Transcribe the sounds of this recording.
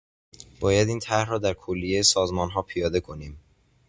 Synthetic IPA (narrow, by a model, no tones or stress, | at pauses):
b̥ɒːjæd̪iːnt̪ʰæɾrɒːd̪æɾkʰolːijejesɒːzmɒːnɦɒːpʰijɒːd̪e̞kʰo̞niːm